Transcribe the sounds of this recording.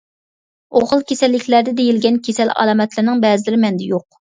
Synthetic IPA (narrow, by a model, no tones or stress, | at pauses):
oʁəlˠkʲesɛlːɪkʲlæɾd̪ɛd̪ejilɡʲɛnkʲʰesɛlɑ̰lˠɑmɛt̪ʰlɪɾnɪŋbɛːzɪlɪɾɪmɛnd̪ɛjoq̚